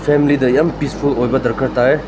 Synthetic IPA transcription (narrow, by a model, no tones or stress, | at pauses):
pʰemilidɐjampispʰulojbɐdɐɾkʰɐɾtae